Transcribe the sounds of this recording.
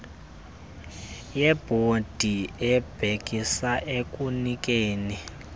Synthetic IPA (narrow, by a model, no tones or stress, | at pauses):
jɛb̥ʱod̥ʱiɛb̥ʱek̬ʼisaʔek̬ʼunik̬ʼeːni